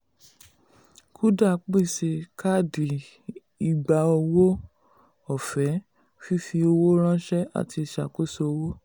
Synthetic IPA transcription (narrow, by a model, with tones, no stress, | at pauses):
kʰu˦da˦˨k͡pi˦˨si˧ka˦˨di˨ | i˨ɡ͡ba˧o˧wo˦ | ɔ˦˨fɛ˨˦ | fi˦fi˧o˧wo˦ɾ̃ã˦ʃɛ˦a̰˨tʰi˧˨ʃa̰˨ko˦so˧o˧wo˦